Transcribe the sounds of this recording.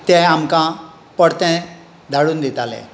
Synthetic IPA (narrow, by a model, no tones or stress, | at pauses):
t̪ɛ̃amkã | pəɽt̪ɛ̃ | d̪ʱaɽuːnd̪it̪alɛ̰